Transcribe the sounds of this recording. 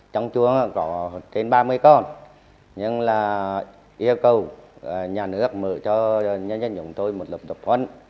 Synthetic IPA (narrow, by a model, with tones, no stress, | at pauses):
t͡ɕɔ˧wŋ͡mt͡ɕu˧əŋa˧˨kɔ˨˦t͡ɕe˧nɓaː˧mɨ˧əjkɔ˧˩n | ɲɨ˧ŋlaː˨˩ | ʔi˧əwkə˨˩wɲaː˨˩nɨ˦˥ək̚mɨ̰˧˨t͡ɕɔ˧ɲə˧nzə˧nt͡ɕʊ̰˧˩˦ŋ͡mt̪o˧jmo˨˩t̚lə˨˩p̚ɗə˨˩p̚hwə˧n